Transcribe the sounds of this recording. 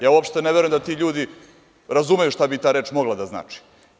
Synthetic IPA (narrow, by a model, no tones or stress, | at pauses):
jaːuopʂt̪eneʋeɾoemd̪at̪iːʎuːd̪i | ɾazumejuʃt̪abit̪aːɾeːt͡ʂmo̞ɡlˠad̪azna̰ːt͡ʃi̥